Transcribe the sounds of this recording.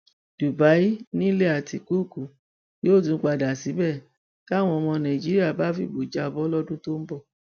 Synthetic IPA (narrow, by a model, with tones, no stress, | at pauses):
d̥u˨ba˨˦i˦nĩ˦le˦a˨ti˨ku˦˨ku˨ | joː˦˨tũ˨˦k͡pa˧˨da˨si˨˦bɛ˦˨ | ta˦˨w̃ɔ̃˧ɔ˧mɔ̃˧nã˨i˨d͡ʒi˨˦ɾi˦a˦˨ba˨˦fḭ˦˨bo˨d͡ʒa˧˦ɔ˧˨bɔ˦lɔ˦dũ˦to˦m̩˦bɔ˦˨